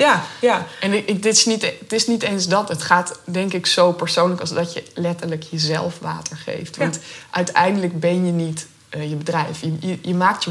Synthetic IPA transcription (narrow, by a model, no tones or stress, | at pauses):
ja | ɛndɪtɪsnittɪsnitejnsdɑtətχaːtdɛŋkɪksowpəɹsownləkɑlˠzdɑjəlɛtəɹləkjəzɛ̰lˠfʋa̰ːtəɹχḛjftʋɑntʔœɥtɛ̰jndələɡ̚bɛnjənit | jəbədrɛjfjəjəjəmaːk̚tə